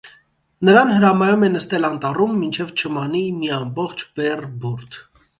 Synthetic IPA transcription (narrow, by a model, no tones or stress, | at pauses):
nəɾɑnhəɾɑmɑjumɛnəst̪ɛlɑnt̪ɑrumːint͡ʃʰɛvt͡ʃʰəmɑnimiɑmbɔχt͡ʃʰbɛrbɔɾt̪ʰ